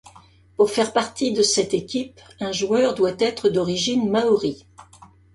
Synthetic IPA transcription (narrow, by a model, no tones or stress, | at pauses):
puʁfɛʁpaʁt̪id̪əsɛt̪ekʲipɛ̃ʒwœʁd̪wat̪ɛt̪χəd̪ɔʁiʒinmaɔʁi